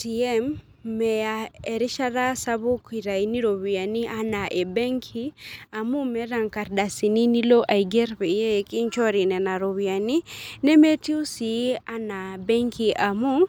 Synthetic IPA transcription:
ti˨ɛ˦mː | ɛ˨ja˨e˨ɾɪ˦ʃa˦ɾa˦sa˦bu˦ki˨ɾa˨i˨ni˦ɾo˨wi˨a˨ni˦ʔa˦na˨ʔe˨be˦ŋkʰi˦a˨mu˦mɛ˦ɾa˨ŋka˨ɾda˨si˨ni˦ni˦lo˦ʔa˨i˨ɡe˦ɾpe˨je˦ki˦ɲt͡ʃɔ˦ɾi˨nɛ˨na˨ɾo˨wia˨ni˦nɛ˦me˦ti˦u˦si˨˦a˦na˨bɛ˦ŋkʰi˨ʔa˨mu˦

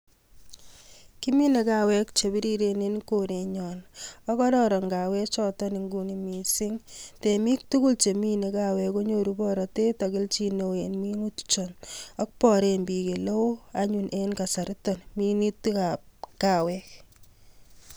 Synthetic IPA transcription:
ki˦mi˦ne˨ka˦wɛ˦kt͡ʃe˨bi˦ɾi˦ɾe˨ne˦nko˨ɾe˨ɲɔ˨nɔ˦kɔ˦ɾɔ˦ɾɔ˨ŋɡa˨wɛ˦t͡ʃɔ˦tɔ˦ni˨ŋɡu˦ni˨mi˨sɪ˦ŋte˨mi˦k̚tu˦ku˦lt͡ʃe˨mi˦ne˨ka˨wɛ˨ko˦ɲo˦˨ɾu˦bɔ˦ɾɔ˨te˦ta˨kɪ˦lt͡ʃi˦no˨enmi˦nu˦tt͡ʃɔ˨nɔ˦k̚pɔ˨ɾe˨nbi˨ke˨lo˦aɲu˨nʔenka˨sa˨ɾɪ˦tɔ˨nmi˦ni˦tka˨p̚ka˨wɛk̚

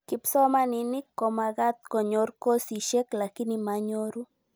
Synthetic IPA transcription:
kɪ˦psɔ˦ma˦ni˨nɪ˦kːɔ˨ma˨ɣa˦t̪̚kɔ˨ɲo˦ɾko˦si˨ʃɛ˦kla˨ki˦ni˨maɲo˦ɾu˦

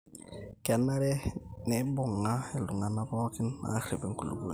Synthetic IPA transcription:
kɛ˨na˦ɾɛ˦nɪ˨˦bʊ˨ŋːa˦ɪ˨lʊ˨ŋa˨na˦bɔ˦kɪ˦nː˦a̰˨˦rɪ˨bɛ˦ŋ̩˦ku˨lṵ˨bu˨˦

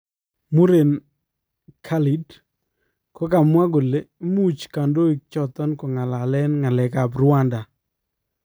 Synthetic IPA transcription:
mu˦ɾe˨n | kʰa˦li˨˦d | kɔ˦ka˨mwa˦ɡo˨le˦mu˦t͡ʃka˨ndo˦i˨k̚t͡ʃɔ˨t̪ɔ˦nkɔ˨ŋa˨la˨lɛ˦nŋa˨lɛ˨ka˨bɾʊ˦a˦nda˨

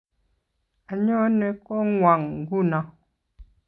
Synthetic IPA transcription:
a˨ɲɔ˦nɛ˨kɔ˦ŋwa˨ŋŋ˨ɡu˦˨na˨˦

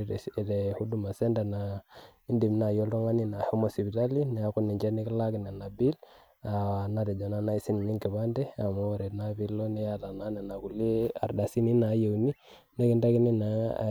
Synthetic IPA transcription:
de˨hu˦du˦˨ma˨se˦nda˨na˨i˦ndi˨m˨na˨jo˦ldo˦ŋa˦ni˦na˨ho˦mo˨si˨bi˨ta˦li˦ne˨a˦ku˦ni˨ɲd͡ʒe˦ne˦ki˦la˦ɡi˨na˨na˨bi˦l | a˨na˦de˨d͡ʒo˨na˦na˦i˦si˦n˨ni˦ŋki˨βa˦nde˦a˨mo˦˨ɾe˨na˨bi˦lːo˦ne˦ja˦˨la˨na˦ne˨na˨ku˨li˦a̰˨ɾda˨si˦ni˦na˨˦je˨wni˦ | ne˦ɡi˦nda˦ki˦ni˦na˨

